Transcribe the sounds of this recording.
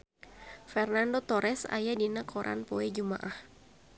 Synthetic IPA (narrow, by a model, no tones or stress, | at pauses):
fɛrnandot̪ɔɾʔɛsa̰jadinakʰɔɾʔa̰npɔɛd͡ʒuma̰ʔah